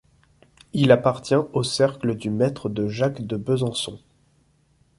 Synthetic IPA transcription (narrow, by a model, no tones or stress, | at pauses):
ilapaʁt̪jɛ̃osɛʁkləd̪ymɛt̪χəd̪əʒakd̪əbəzɑ̃sɔ̰̃